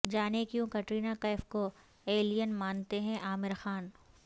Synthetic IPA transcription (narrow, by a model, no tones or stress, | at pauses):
d͡ʒaːnekijũkɐʈɾiːnakaɪfko | eːlijənmaːnt̪eɦɛ̃ʔaːmɪɾxaːn